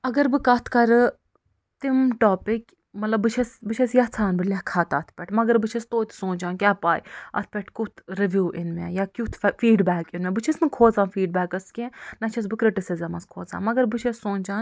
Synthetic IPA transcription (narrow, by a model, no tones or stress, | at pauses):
ɐɡɐɾbɨkɐt̪ʰkɐɾɨ | t̪imʈoːpɪk | mɐt̪lɐbːɨt͡ʃʰɐsbɨt͡ʃʰɐsjɐt͡sʰaːnbɨlʲɐkʰaːt̪ʰɐt̪ʰpʲɛʈmɐɡɐɾbɨt͡ʃʰɐst̪oːt̪sõːnʲd͡ʒaːnkʲaːpaːjɐ̰t̪̚ʰpʲɛʈkut̪ʰɾeʋʲjuːʔɪnmḛjaːkʲut̪ʰfiːɖbɛːkinmẽbɨt͡ʃʰɐsmɨkʰoːzaːnfiːɖ̚baːkɐskʲẽnɐt͡ʃʰɐs̬bɨkɾɪʈisɪzɐmɐskʰoːza̰ːnmɐɡɐɾbɨt͡ʃʰɐssõːnʲd͡ʒaːn